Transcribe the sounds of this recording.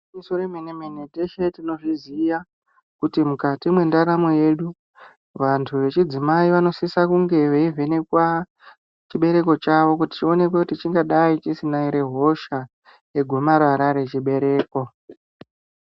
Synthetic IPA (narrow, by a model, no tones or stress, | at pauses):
misoɾemenemeneteʃetino̞ʐizija | kutimukatimwe̞ndaɾamo̞je̞ɗu | ʋantʰuʋe̞t͡ʃid͡zimaiʋano̞sisakuŋɡe̞ʋeivʱe̞nekwa | t͡ʃiɓe̞ɾe̞ko̞t͡ʃaʋo̞kuti̥t͡ʃio̞ne̞kwekutit͡ʃiŋɡaɗait͡ʃisinaiɾe̞ɦo̞ʃa | je̞ɡʱo̞maɾaɾaɾe̞t͡ʃiɓe̞ɾe̞ːko̞